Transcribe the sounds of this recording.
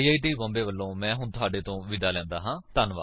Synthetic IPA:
iːaːiːʈiːbɔ̃ːmbeːʋəlːõːmɛ̃ːɦʊɳt̪ʊaːɖeːt̪õːʋɪd̪aːlɛ̃ːnd̪aːɦãːt̪ənʋa̰ː

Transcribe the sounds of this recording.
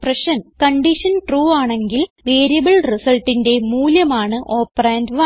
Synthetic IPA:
prɐʂɐnkɐɳɖiʂɐnʈruːaːɳe̞ŋɡilʋeːɾijɐbɐɭrisɐlʈːinde̞muːljɐmaːɳɨʔo̞ːpːɐraːndʋɐ

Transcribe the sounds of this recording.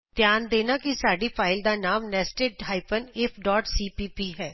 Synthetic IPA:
t̪jaːnd̪eːnaːkisaːɖipʰaːɪld̪aːnaːmnɛːsʈeːʈɦaːɪpənepʰɖɔːʈsiːpiːpiːɦɛː

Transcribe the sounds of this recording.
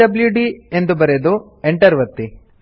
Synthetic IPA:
ɐbljuɖie̞nd̪ubɐɾed̪u | eɳʈɐɾʋɐt̪ːi

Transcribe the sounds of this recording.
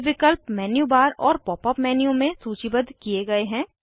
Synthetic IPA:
ʋɪkəlpmɛːnjubaːɾɔːɾpɔːpəpmɛːnjũmẽsuːt͡ʃibəd̪ʱkieɡɐeɦɛ̃ː

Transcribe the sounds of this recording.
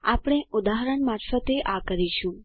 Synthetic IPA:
apɽ̃eʊd̪aɦɾəɳmaɾfət̪eʔakəɾiʃũ

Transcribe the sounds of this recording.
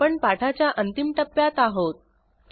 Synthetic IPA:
pəɳpaʈʰat͡ɕjaʔənt̪imʈəpːjat̪aɦot̪̚

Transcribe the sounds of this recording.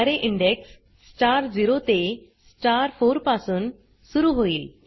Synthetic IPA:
aɾeʔiɳɖeks | t͡ɕaɾd͡ziɾot̪e | t͡ɕaɾfoɾpasuːn | suɾuːɦoiːl

